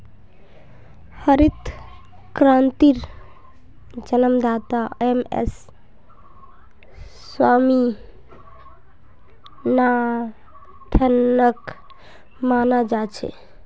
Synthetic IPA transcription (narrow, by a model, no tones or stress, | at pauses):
həɾit̪ | kɾãnt̪iɾ | d͡ʒənəmd̪at̪aemḛs | wami | na | t̪ʰənək | manad͡ʒat͡ʃʰɛ̰